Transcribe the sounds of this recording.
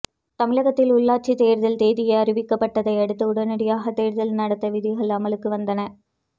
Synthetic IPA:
t̪ɐmɪɻɐɣɐt̪ːɪlʊɭːaːʈ̚t͡ʃːit̪eːɾðɐlt̪eːðɪjɐɪɐrɪʋɪkːɐpːɐʈːɐðɐɪɐɽɯt̪ːɯʊɽɐnɐɽɪjaːɣɐt̪eːɾðɐlnɐɽɐt̪ːɐʋɪðɪɣɐɭɐmɐlɯkːɯʋɐnd̪ɐnɐ

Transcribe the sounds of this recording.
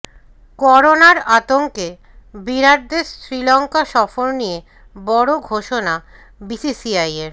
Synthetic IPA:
kɔɾonaɾat̪oŋke | biɾaɾd̪esɾilɔŋkaʃɔfoɾnije | bɔɽoɡʱoʃona | bisisiajeɾ

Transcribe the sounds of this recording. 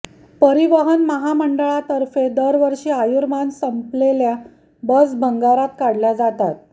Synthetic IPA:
pəɾiʋəɦənməɦaməɳɖəɭat̪əɾfed̪əɾʋəɾʂiːajuɾmansəmplelja | bəsbʱəŋɡaɾat̪̚kaɽlad͡zat̪at̪̚

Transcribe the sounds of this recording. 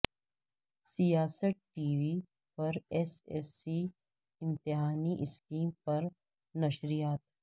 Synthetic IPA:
sijaːsəʈ̚ʈiːʋiː | pɐɾɛsḛsi | ɪ̃mt̪ɪɦaːniʔɪskiːmpɐɾ | nɐʃɾijaːt̪

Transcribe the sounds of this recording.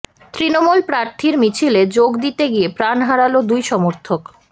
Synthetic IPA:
t̪ɾinomulpɾaɾt̪ʰiɾmit͡ɕʰiled͡ʑoɡd̪it̪eɡiepɾanɦaɾalod̪ujʃɔmoɾt̪ʰok

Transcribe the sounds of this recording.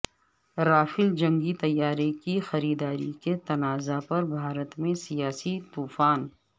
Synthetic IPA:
ɾaːfɪld͡ʒɐ̃ŋɡit̪ɐjːaːɾekixɐɾiːd̪aːɾiket̪ɐnaːzapɐɾbʱaːɾət̪mẽsijaːsit̪uːfaːn

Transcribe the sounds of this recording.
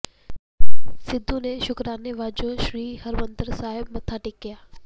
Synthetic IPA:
sɪd̪ʱũneʃʊkɾaːneʋaːd͡ʒoʃɾiːɦɐɾmə̃nd̪əɾsaːɦɪbmɐt̪ʰaʈɪkːijaː

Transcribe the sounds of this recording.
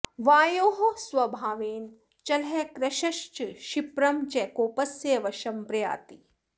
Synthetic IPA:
ʋaːjoːɦosʋɐbʱaːʋeːn | t͡ʃɐlɦekɾɐʃɐʃt͡ʃʃipɾɐmt͡ʃɛkoːpɐsjeʋɐʃɐmpɾɐja̰ːt̪i

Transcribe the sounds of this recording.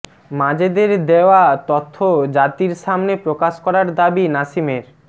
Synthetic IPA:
mãd͡ʑed̪eɾd̪eoat̪ot̪ʰːod͡ʑat̪iɾʃamnepɾokaʃkɔɾaɾd̪abinaʃimeɾ

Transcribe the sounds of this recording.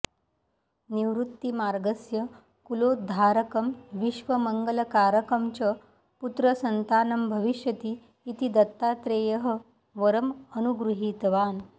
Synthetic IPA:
niʋɾut̪ːimaːɾɡəsjə | kuloːd̪ʱaːɾəkəmʋiʃʋəməŋɡələkaːɾəkəmt͡ɕɐ | put̪ɾəsɐnt̪aːnɐmbʱəʋiʃjɐt̪iː | t̪id̪ɐt̪ːaːt̪ɾeːjəɦə | ʋəɾəmənuɡɾuɦiːt̪ʋaːn

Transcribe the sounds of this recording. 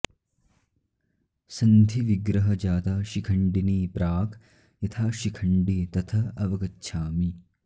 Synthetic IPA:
sɐnd̪ʱiʋiɡɾɐɦɐd͡ʒaːt̪aːʃikʰɐɳɖiniːpɾaːkʰ | jɐt̪ʰaːʃikʰɐɳɖit̪ɐt̪ʰɐɐʋɐkɐtːʃʰaːmi

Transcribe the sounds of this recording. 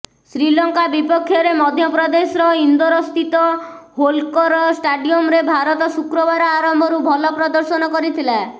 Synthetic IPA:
sɾilɔŋkabipɔkʰːjɔɾemɔd̪ʱjɔpɾɔd̪esɔɾɔind̪ɔɾɔst̪ʰit̪ɔɦolkɔɾɔsʈaɖiɔmɾebʱaɾɔt̪ɔsukɾɔβaɾɔaɾɔmbʱɔɾubʱɔlɔpɾɔd̪ɔɾsɔnɔkɔɾit̪ʰila

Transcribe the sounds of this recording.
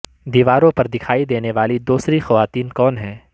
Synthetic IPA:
d̪iːʋaːɾõpɐɾd̪ɪkʰaːid̪eːneʋaːlid̪uːsɾixɐʋaːt̪iːnkɔːnɦɛ̃ː

